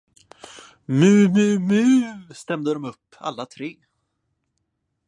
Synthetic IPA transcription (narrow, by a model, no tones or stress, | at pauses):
mʉ̟ːmʉːmʉ̟st̪ɛmd̪əd̪ɔmɵpːa̰lːat̪ʰɾeː